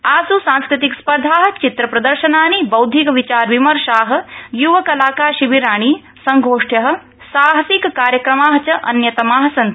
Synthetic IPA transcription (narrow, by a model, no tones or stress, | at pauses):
aːsusãːnskɾɪt̪ikspɐɾd̪ʱaːɦɐ̆t͡ʃit̪ɾɐpɾɐd̪ɐɾʃɐnaːnibɐwd̪ʱikɐʋit͡ʃaːɾʋimɐɾʃaːɦɐ̆juʋɐkɐlaːkaːɾʃiʋiɾaːɳ̃i | sɐŋɡʱoːʂʈjɐɦɐ̆ | saːɦɐsikkaːɾjɐkɾɐmaːɦɐt͡ʃɐʔɐ̰njɐt̪ɐmaːɦɐsɐnt̪